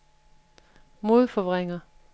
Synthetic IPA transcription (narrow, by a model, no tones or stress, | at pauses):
mo̝ðˠfɒʋʁeŋɐ